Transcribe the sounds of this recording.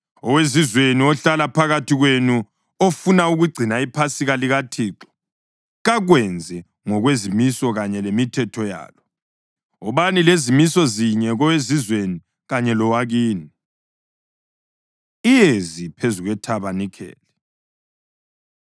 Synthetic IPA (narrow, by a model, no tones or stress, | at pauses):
ɔwezizweniɔɬalapʰaɣatʰiɣwenu | ofunauɣuɡ͡ǀʱinaipʰasiɣaliɣatʰiːǁɔ̥ | ɣaɣwɛnd͡zʱɛ | ŋɔɣwezimisɔɣaɲɛlemitʰɛtʰɔja̰ːlɔ | ɔβanilezimisɔziɲɛɣɔwezizweni | ɣaɲɛlɔwaɣiːni | ijezipʰezuɣwɛtʰaβanikʰɛ̰ːlɛ